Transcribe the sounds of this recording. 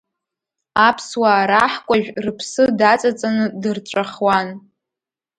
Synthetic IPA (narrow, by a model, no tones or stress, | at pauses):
apʰswaːɾaħkʷʼaʒᶣrɨpʰsɨdat͡sʼat͡sʼanɨdɨrʈ͡ʂʷʼaχwan